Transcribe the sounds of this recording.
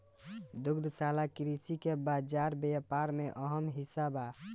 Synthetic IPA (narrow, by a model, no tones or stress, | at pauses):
d̪uɡd̪salakiɾisikebad͡ʒaɾbepaɾmeʔəɦəmɦisaba